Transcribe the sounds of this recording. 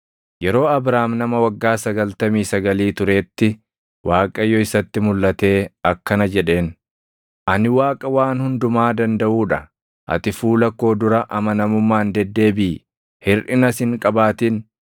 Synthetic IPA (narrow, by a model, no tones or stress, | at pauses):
jɛɾo̞ːɐbɾaːmnɐmɐwɐɡːaːsɐɡɐlt̪ɐmiːsɐɡɐliːt̪ʊɾe̞ːt̪ːɪ | waːkʼɐjːɔɪsɐt̪ːɪmʊlːɐt̪e̞ːɐkːɐnɐd͡ʒɛᶑe̞ːn | ʔɐnɪwaːkʼɐwaːnhʊnd̪ʊmaːd̪ɐnd̪ɐʔuːᶑɐ | ʔɐ̰t̪ɪfuːlɐkːo̞ːd̪ʊɾɐʔɐmɐnɐmʊmːaːnd̪ɛd̪ːe̞ːbiː | hɪrʔɪnɐsɪŋkʼɐbaːt̪in